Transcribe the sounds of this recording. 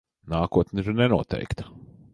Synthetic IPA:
naːkuɔt̪nʲiɾnɛnuɔt̪ʰɛ̰jkt̪ɐ̥

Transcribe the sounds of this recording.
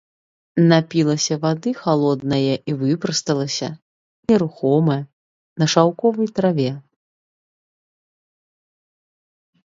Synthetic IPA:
napʲilˠɐsʲɐvad̪ɨxalˠɔd̪̚nɐjɐʔivɨpɾɐst̪ɐlˠɐsʲɐ̰ | nʲɛɾuxɔmɐj | nɐʂawkɔvɨjt̪ɾavʲɛ

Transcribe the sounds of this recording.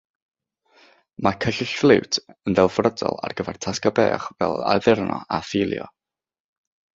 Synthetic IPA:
makʰəɬɪɬflˠɪwtʰənðɛlˠvrədɔ̰lˠarɡəvɛr̥tʰaskabeːχvɛlˠa̰ðɪrnʔɔafɪlˠjɔ̰

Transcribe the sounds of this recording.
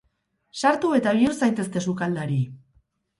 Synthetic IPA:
saɾt̪ue̞t̪aβiuɾsajt̪e̞st̪e̞sukald̪aɾi

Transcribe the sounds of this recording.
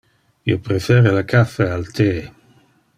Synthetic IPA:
iopɾefɛɾelakʰafealt̪ʰe

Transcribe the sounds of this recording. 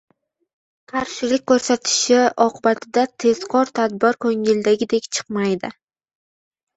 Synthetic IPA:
qʰaɾʃɪlɪk̚ʲkːɵɾsat̪ʰɪ̥ʃɪɒqɨbat̪ʰɪd̪at̪ʰe̞z̥qʰɒɾt̪ʰad̪bɪɾkʰɵŋɪld̪aɡʲɪd̪ekʲt͡ʃʰɨ̥qmajd̪ɪ

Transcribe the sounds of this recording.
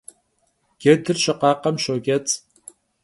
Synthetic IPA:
ɡ̥ʲɛdɨrʃɐqɑːqɐmʃoːɡʲɛt͡s

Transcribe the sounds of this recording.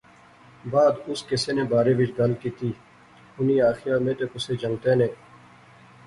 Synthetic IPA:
baːd̪ʊskeseːnẽːbaːɾeːʋɪd͡ʒd̪ɐlkiːt̪iː | ʊniːaːxɪjaːmẽːt̪eːkʊseːd͡ʒɐŋt̪eːnẽː

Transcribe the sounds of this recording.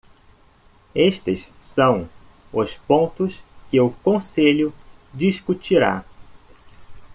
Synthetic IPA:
eʃt̪ɪssɐ̃w̃ | ʊspõnt̪ʊskɪʊkõseʎʊd͡ʒiskut͡ʃiɾa̰

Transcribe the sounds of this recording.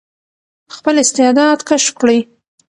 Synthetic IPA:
xpəlɪst̪ɪd̪ɑd̪kaʃkɽəj

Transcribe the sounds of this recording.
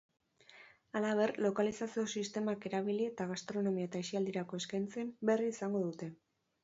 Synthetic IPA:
alaβe̞rlo̞kalisasio̞sist̪e̞make̞ɾaβ̞ilie̞t̪aɣ̞ast̪ɾo̞no̞miaet̪aesiald̪iɾako̞e̞skajnt͡se̞mbe̞riːsaŋɡo̞ðut̪e̞

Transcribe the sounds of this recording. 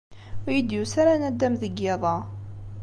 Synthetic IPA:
jəd̪jusaɾanæd̪ːæmðəɡeðˤɑ

